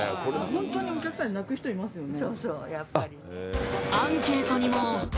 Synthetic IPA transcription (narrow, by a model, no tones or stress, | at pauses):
ohõnt̪o̞ːɲ̟io̞kʲakɯ̟sãɲːenakɯ̟çi̥t̪o̞imasɨjo̞nesoːsoːjapːaɾʲi | ãŋke̞ːt̪o̞ɲ̟imo